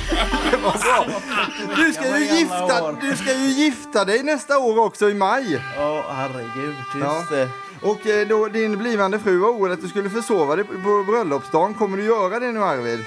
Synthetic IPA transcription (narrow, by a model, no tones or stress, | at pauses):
d̪ɛvabɔ | d̪ɵskajɵjɪft̪ad̪ɵskajɵjɪft̪ad̪ɛjnɛst̪aoːɾɔksɔɪmajhæɾɛɡʉd̪ː | ʔɔkd̪ɔd̪ɪnbliːvand̪əfɾʉ̟ːvaɾuːlat̪̚d̪ɵskɵlːəfœʂoːvad̪ɛpʰɔbɾœlːɔpsd̪ɑːnkʰɔmːəɖɵjœːɾad̪ɛnʉ̟ːæɾvḛːd̪